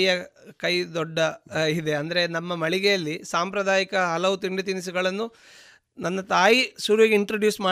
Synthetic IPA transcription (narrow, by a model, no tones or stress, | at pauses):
jɐkɐjd̪ɔɖːɐid̪e̞ɐnd̪ɐɾe̞nɐmːɐmɐɭiɡɛjɐlːisaːmpɾɐd̪ʱaːjikɐɦɐlɐʋut̪iɳɖet̪̬inis̬uɡɐɭɐnːu | nɐnːɐt̪aːjisuːɾʋeɡiɳʈɾoɖjuːsmaː